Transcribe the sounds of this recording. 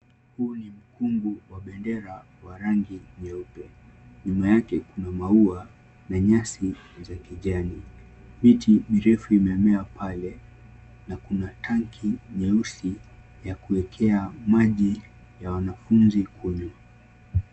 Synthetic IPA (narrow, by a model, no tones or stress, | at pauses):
huːnim̩kumbuwaɓɛndɛɾa | waɾaŋɡiɲɛupɛɲumajakɛkunamaua | naɲasizakiʄani | mitiɓiɾɛfuimɛamɛapʰalɛ | nakunatʰaŋkʰiɲɛusi | jakuwɛkʰɛamaʄi | jawanafunzikʰuɲwa